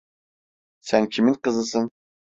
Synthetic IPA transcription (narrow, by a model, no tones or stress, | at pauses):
sænkʲʰimɪnqəzɨsɨn